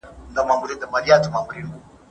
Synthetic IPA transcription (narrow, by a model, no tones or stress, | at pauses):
ndamambuɾidamaliatumambuɾinɡu